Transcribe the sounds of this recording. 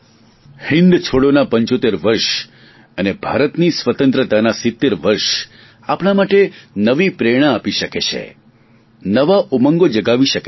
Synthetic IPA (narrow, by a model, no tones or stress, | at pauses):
hɪ̃nd̪t͡ʃʰoɽonapəɲt͡ʃot̪eɾʋəɾʃ | ənebʱaɾət̪nisʋət̪ənt̪ɾət̪anasɪt̪ːeɾʋəɾʃ | apɽ̃amaʈenəʋipɾeɽ̃aːpiʃəket͡ʃʰḛ | nəʋaʔomə̃ŋɡod͡ʒəɡaʋiʃəke